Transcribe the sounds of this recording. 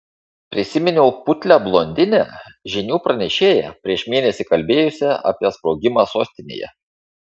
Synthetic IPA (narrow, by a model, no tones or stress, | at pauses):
pʲɾʲɪsʲɪmʲɪnʲʊpʊt̪ʲlʲæblˠoːnʲd̪ʲɪnʲæ̰ʒʲɪnʲuːpɾɐnʲɛʃʲeːjɛ̰pʲɾʲiɛʃmʲeːnʲɛsʲikɐlʲbʲeːjʊsʲɛɐ̰pʲiɛspɾoːɡʲɪmɑsoːsʲt̪ʲɪnʲḛːjɛ̰